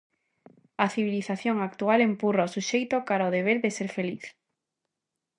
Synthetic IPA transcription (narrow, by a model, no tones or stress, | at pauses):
aθiβiliθaθjoŋak̚t̪ualempuraosuʃejt̪okaɾaoðeβ̞eɾðeseɾfeliθ